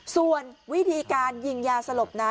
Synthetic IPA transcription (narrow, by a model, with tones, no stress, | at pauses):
su˨˩ənwi˦˥t̪ʰiː˧kaː˧nji˧ŋjaː˧sa˧lo˨˩p̚naː˧˦˥